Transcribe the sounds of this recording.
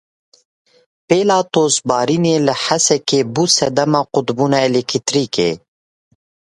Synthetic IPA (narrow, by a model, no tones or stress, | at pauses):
peːlaːt̪oːsbɑːɾineːləħasɛkeːbusɛd̪ɐmaːqʊt̪buːnaːelekʰit̪ɾiːkḛː